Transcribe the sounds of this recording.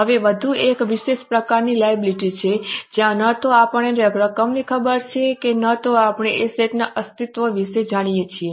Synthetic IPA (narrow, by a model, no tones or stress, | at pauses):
ɦəʋeʋəd̪ʱuekʋiʃeʃpɾəkaɾnilajəbiliʈit͡ʃʰed͡ʒjãnət̪oapəɳeɾəɡɾəkəmnikʰəbəɾt͡ʃʰekenət̪oapɳ̃eʔeset̪naʔəst̪it̪ʋəʋiʃed͡ʒaɽ̃ijet͡ʃʰie